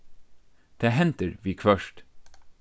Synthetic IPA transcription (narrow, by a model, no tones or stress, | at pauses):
d̪̥eːɦɛnt̪əɾʋiːkʰʋœʃt